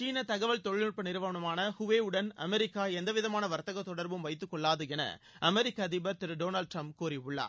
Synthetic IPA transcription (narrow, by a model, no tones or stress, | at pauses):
t͡ʃiːnɐt̪ɐɣɐʋɐɭt̪ɔɻɪɭɯpːɐnɪɾɯʋɐʋɐɳɐmaːnɐhʊʋeːɯɽɐnɐ̰mɛɾɪkːaːɛnd̪ɐʋɪðɐmaːnɐʋɐɾt̪ɐɣɐt̪ːɔɽɐɾbɯmʋɐɪt̪ːɯkːɔɭːaːðɯɣɪnɐ̰ | ʔɐmɛɾɪkːaðɪbɐɾt̪ɪɾɯɖoːnɐlɖ̚ʈɾɐmpkuːɾiʊɭːa̰ːɾ